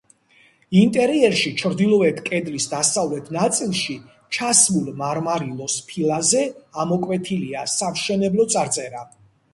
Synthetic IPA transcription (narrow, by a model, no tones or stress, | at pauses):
int̪ʼɛɾiɛɾʃit͡ʃʰɾd̪ilˠɔɛt̪ʰkʼɛd̪lisd̪asavlɛt̪ʰnat̪sʼilˠʃi | t͡ʃʰasmulˠmaɾmaɾilˠɔspʰilˠazɛamɔkʼwɛt̪ʰiliasamʃɛnɛblɔt̪sʼaɾt̪sʼɛɾa